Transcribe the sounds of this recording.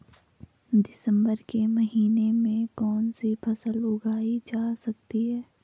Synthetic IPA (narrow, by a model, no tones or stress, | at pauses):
d̪ɪsə̃mbəɾkemɐɦiːnemẽkɔːnsipʰɐsəlʊɡʱaːid͡ʒaːsɐk̚t̪iɦɛː